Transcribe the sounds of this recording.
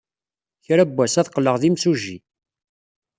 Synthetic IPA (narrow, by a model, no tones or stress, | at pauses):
çɾæbːæsæθqːləʁðimsuʒḭ